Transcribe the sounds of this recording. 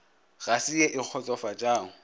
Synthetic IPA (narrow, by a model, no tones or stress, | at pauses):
ɣasieʔɪq͡χʰɔt͡sʼɔfad͡ʒʼaːʊ